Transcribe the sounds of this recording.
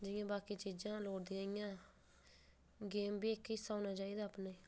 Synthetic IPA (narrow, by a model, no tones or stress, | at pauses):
d͡ʒɪjãːbaːkiːt͡ʃiːd͡ʒãːloːɽd̪iãːɪjãː | ɡeːmbiːkːɪɪsːaaːnaːt͡ʃaːiːd̪aːpneiː